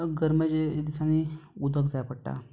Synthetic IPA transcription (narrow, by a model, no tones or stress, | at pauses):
ɡəɾməd͡ʑd̪isaniud̪əɡd͡zajapəɽʈa̰